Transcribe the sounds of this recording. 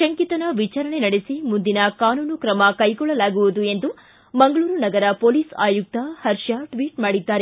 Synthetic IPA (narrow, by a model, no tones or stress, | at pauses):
ʃɐŋkit̪ɐnɐʋit͡ʃaːɾɐɳenɐɽesimund̪inɐkaːnuːnukɾɐmɐkɐjɡɔɭːɐlaːɡuʋud̪ue̞nd̪u | mɐŋɡɐɭuːɾunɐɡɐɾɐpoːliːsa̰ːjuk̚t̪ɐhɐɾʃɐʈʋiːʈmaːɽid̪ːaːɾe